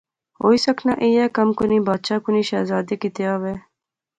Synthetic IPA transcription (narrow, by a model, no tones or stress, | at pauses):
ojsɐknaʔiːjeːkɐmkuniːbaːd̪ʃaːkuniːɕaːzaːd̪ekit̪jaːʋe